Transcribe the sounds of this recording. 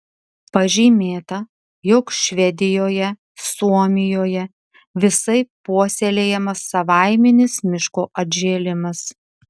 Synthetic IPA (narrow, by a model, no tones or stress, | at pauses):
pɐʒʲiːmʲeːt̪ɐ | jɔkʃʲʋʲɛd̪ʲɪjoːjɛ | suɔmʲɪjoːjɛ | ʋʲɪsɐɪpuɔsʲelʲeːjɛmɐsːɐʋɑˑɪmʲɛnʲɪsmʲɪʃkoːʔɐd̪ʲʒʲeːlʲɪmɐs